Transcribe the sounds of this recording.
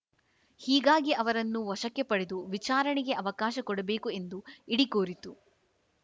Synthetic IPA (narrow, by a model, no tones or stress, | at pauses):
hiːɡaːɡiɐʋɐɾɐnːuʋɐʃɐkːepɐɽed̪uʋit͡ʃaːɾɐɳiɡe̞ʔɐʋɐkaːʃɐkɔɽɐbe̞ːkue̞nd̪uiɽikoːɾit̪u